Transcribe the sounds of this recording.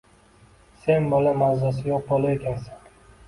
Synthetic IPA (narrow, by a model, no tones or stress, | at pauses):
se̞nbolamazasɪjoq̚bolˠaekʲansan